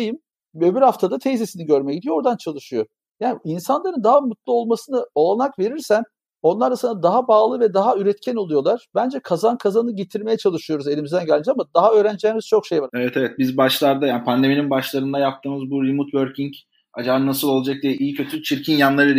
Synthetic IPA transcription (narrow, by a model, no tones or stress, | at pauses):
ejim | øbiɾhaft̪ʰad̪at̪ʰejzesiniɟøɾmejɛɟid̪ijoo̞ɾd̪ant͡ʃʰalˠɯʃɯjo | jaːninsanlˠaɾɯnd̪aɦamut̪lˠuo̞lˠmasɯnɯo̞lˠanakve̞ɾiɾsæn | o̞nlˠaɾasɯnad̪aɦabaːlˠɯvɛd̪aɦayɾɛt̪cʰæno̞lˠujo̞lˠaɾ̥bænd͡ʒɛkʰazankʰazanɯɟet̪ʰiɾme̞jɛt͡ʃʰalˠɯʃɯjo̞ɾuze̞lʲimizd̪ænɟælʲmid͡ʒamad̪aɦaø̞ːɾænd͡ʒiemiz̥t͡ʃʰo̞kʃejvaɾevɛt̪ʰevɛt̪̚bizbaʃlˠaɾd̪ajaːnpʰand̪e̞mininbaʃlˠaɾɯnd̪ajap̚t̪ʰɯːmɯzbuɾimut̪bøɾcʰiŋc | ad͡ʒanasɯlˠo̞lˠad͡ʒak̚d̪ɛʔijicʰø̞t̪ʰyt͡ʃʰiɾcʰinjanlˠaɾɯd̪